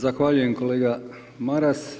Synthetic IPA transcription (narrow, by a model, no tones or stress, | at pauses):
zaxʋaʎuje̞mkoleːɡa | maɾas